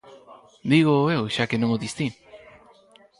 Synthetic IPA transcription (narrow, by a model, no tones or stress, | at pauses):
d̪iɣoewʃakenõŋoðist̪i